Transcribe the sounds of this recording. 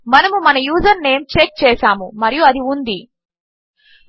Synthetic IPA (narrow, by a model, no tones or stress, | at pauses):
mɐnɐmumɐnɐjuːzɐɾne̞ːmt͡ʃek̚t͡ʃɛːʃaːmumɐɾijuɐd̪iund̪i